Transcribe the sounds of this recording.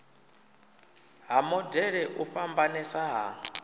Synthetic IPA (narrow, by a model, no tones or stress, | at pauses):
ɦamɔdɛɺɛʔuɸambanɛsaɦa̰